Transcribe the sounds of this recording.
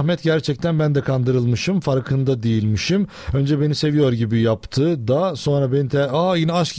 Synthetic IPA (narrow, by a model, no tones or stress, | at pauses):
hmɛt̪ɟæɾt͡ʃʰɛc̚t̪ʰænbænd̪ɛkʰand̪ɯɾɯlˠmɯʃɯmfaɾkʰɯnd̪ad̪ejilʲmiʃim | ø̞nd͡ʒɛbe̞nise̞vijo̞ɾɟibijapt̪ʰɯd̪aso̞nɾabe̞nit̪ʰɛaːjinɛaʃc